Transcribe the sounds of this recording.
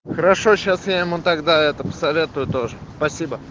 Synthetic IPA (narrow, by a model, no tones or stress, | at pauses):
xəɾɐʂo̞ɕasjaɪmut̪ɐɡd̪aɛt̪əpə̥sɐvʲe̞t̪ʊjʊt̪oʐəspɐsʲibə